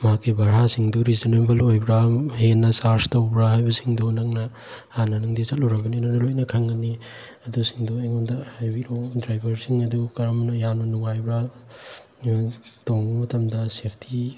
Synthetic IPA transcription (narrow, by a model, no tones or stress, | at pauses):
makibʱɐɾɦasiŋduɾizinebɐlojbɾahenːɐsaɾstowbɾaɦajbɐsiŋdunɐŋnɐ | anɐnaŋdit͡ʃɐt̚luɾɐbɐninɐnɐlojnɐkʰɐŋɐni | ɐdusiŋduajŋondahajbiɾodɾajbɐɾsiŋɐdukɐɾamnɐjanɐnuŋajbɾa | toŋmɐtɐmdɐsepʰtʰi